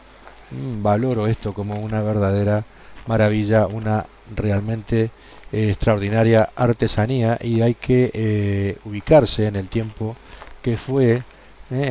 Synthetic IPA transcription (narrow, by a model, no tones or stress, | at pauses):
balo̞ɾo̞est̪o̞ko̞mo̞unaβ̞e̞ɾðað̞e̞ɾa | maɾaβiʒauna | realmẽ̞nt̪e̞ | kst̪ɾaoɾð̞inaɾjaaɾt̪e̞saniaʔiajkʰe | uβikaɾseːne̞lt̪je̞mpo̞kefwe